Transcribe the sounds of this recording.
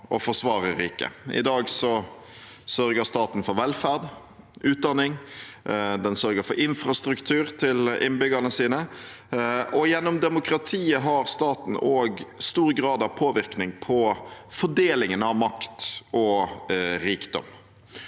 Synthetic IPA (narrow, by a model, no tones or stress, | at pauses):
ʔɔfɔʂʋɑːʁəɾiːkə̰ɪ̰d̪ɑːɡsɔ | sœɾɡəɾst̪ɑːt̪n̩fɔɾʋɛlfæʁd̪ | ʉːt̪̚d̪ɑnːɪŋ | d̪ɛnsœɾɡəɾfɔɾɪnfɾɑst̪ɾʉkt̪ʰʉːɾt̪ʰɪlɪnbʏɡənəsiːnə | ɔjɛnːɔmd̪ɛmʊkɾɑt̪ʰiːəɦɑɾst̪ɑːt̪n̩oːɡst̪uːɾɡɾɑːd̪ɑʋpʰoːʋɪʁknɪŋpʰɔfɔɖeːlɪŋənɑʋmɑkt̪ɔ | ɾiːkd̪ɔ̰m